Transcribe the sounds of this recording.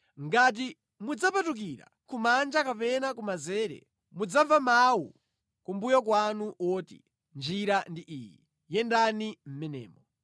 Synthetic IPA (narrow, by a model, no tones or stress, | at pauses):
ŋɡat̬i | mud͡zapatuk̬iɾa̰ | kumand͡ʒakapɛnakumazɛːɾɛ̰ | mud͡zavamawṵ | kumbujɔkwanuʔɔtḭ | nd͡ʒiɾandiʔiːji | jɛndanim̩mɛnɛ̰ːmɔ